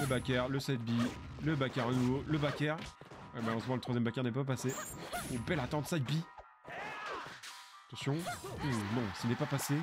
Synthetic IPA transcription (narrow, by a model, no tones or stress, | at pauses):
ləbakʲɛʁləsɛt̪̚bi | ləbakʲɛʁanuvoləbakʲɛʁɛmalɑ̃smɑ̃lət̪χwazjɛmbakʲɛʁnɛpapaseubɛlat̪ɑ̃t̪sɛt̪̚bi | t̪ɑ̃sjɔ̃unɔ̃sinɛpapase